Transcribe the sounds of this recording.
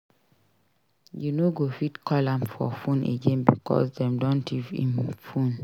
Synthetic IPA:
junoɡofitkʰɔlãmfɔ̰fũnʔḛɡẽnbikʰɔ̰sdɛ̃mdɔ̃ntʰivḭ̃mfũn

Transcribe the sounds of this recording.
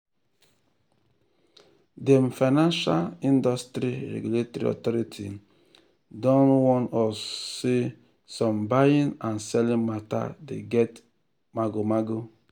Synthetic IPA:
demfanãnʃalĩndɔstɾiɾɛ̰ɡuletɔɾḭɔ̰tɔɾitʰi | dɔ̃nwɔ̃nɔsse | sɔ̃mbajĩnãnsɛlĩnmata̰deɡɛt | maɡomaɡo

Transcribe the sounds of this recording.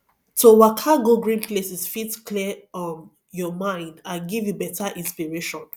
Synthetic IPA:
towakʰaɡoɡɹĩnplesisfitkʰliʌm | jɔmãɪ̃ndãɡivjubɛtʰaʔĩnspiɹeʃɔ̃n

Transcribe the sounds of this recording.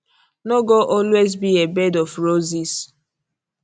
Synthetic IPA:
noɡoʔɔlwezbiebɛdɔfɹozis

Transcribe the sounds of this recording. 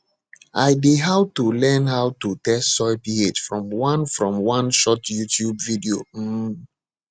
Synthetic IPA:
aɪdeɦawtulɛ̃nhawtutɛstːsɔɪpied͡ʒfɹɔ̃mwãnfɹɔ̃mwãnʃɔtjutʰjubvidiom̩

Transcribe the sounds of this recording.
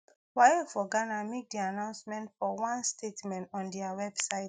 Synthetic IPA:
wajefɔɡanamek̚dianãʊ̃nsmɛ̃ntfɔwãnstʰetmɛ̃ntɔ̃ndiawɛbsaɪt

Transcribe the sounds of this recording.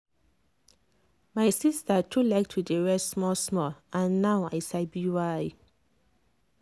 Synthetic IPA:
majsistatʰulaɪk̚tʰwidəɹɛssmɔsmɔlʔãnːawa̰jsaɪbiwaj

